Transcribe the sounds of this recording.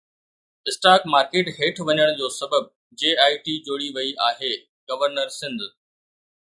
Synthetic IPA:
ɪsʈaːkmaːɾkeːʈɦeːʈʰʋɐɲəɽ̃d͡ʑoːsɐbəb̚ | d͡ʑeːaːɪʈid͡ʑoːɽiʋɐiʔaːɦeː | ɡɐʋəɾnəɾsɪ̃nd̪

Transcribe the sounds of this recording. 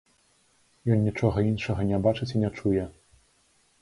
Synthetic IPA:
jɔnːʲit͡ʂɔɣɐinʂɐɣɐnʲɛbat͡ʂɨt͡sʲinʲɛt͡ʂujɛ

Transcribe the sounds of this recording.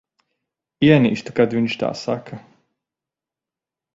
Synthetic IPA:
iɛnḭːʃt̪ḁkad̪viɲt͡ʃt̪a̰ːsa̰kʰa

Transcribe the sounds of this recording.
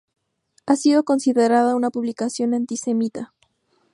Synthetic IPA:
asiðo̞ko̞nsiðe̞ɾaðaunapuβlikasjo̞nant̪ise̞mit̪a

